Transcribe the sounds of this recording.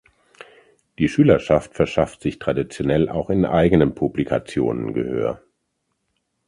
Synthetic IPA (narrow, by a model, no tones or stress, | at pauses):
d̥iːʃyːlɐʃaftfɛɐʃaftz̥ɪçtʁ̥adit͡sjonɛlʔa̰ʊxɪnʔa̰ɪɡənənpʰublikʰa̰t͡sjo̰ːnə̰nɡə̰hø̰ːɐ